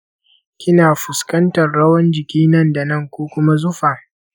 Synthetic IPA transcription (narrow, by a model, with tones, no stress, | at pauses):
kʲɪ˦naː˨ɸʊ˨skɐ˦ntɐ˨rɽɐ˦wɐ˦nd͡ʒɪ˨kʲiː˦nɐ˦nda˨nɐ˦˨ŋkʷoː˦kʷʊ˦ma˦zʊ˦ɸaː˨